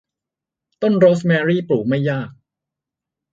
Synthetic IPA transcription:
t̪o˥˩nɾoː˦˥smɛː˧ɾiː˥˩pɾuː˨˩k̚ma˥˩jːaː˥˩k̚

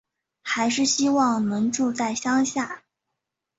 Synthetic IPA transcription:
xa˧˥ɪʂɻ̩˥˩ɕi˥wɑ˥˩ŋnɤ˧˥ŋʈ͡ʂu˥˧t͡sa˥˩ɪɕjɑ˥ŋɕja˥˩

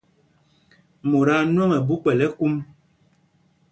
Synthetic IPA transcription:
mo˨ɾa˦nwɔ˦ŋɛ˨bu˦k͡pɛ˨lɛ˦ku˦m

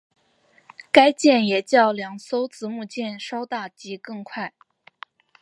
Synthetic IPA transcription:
ka˥ɪt͡ɕjɛ˥˩njɛ˨˩t͡ɕjɑ˥˩ʊljɑ˧˥ŋso˥ʊt͡sɹ̩˧˥mu˥˧t͡ɕjɛ˥˩nʂɑ˥ʊt̪a˥˩t͡ɕi˧˥kɤ˥˧ŋkʰwa˥˩ɪ

